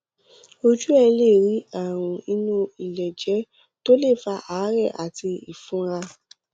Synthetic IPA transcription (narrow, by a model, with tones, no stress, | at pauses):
o˧d͡ʒu˦ɛ˧le˦˨ɾi˨˦a˦˨w̃ũ˨i˧nũ˧i˨lɛ˨d͡ʒɛ˨˦ | to˦le˦˨fa˧ʔaː˨˦ɾɛ˦˨ʔa˨ti˧ḭ˨fũ˨˦ɾa˧